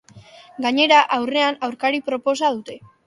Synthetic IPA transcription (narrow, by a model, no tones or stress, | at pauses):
ɡaɲe̞ɾaʔawre̞anawɾkaɾipɾo̞po̞sað̞ut̪e̞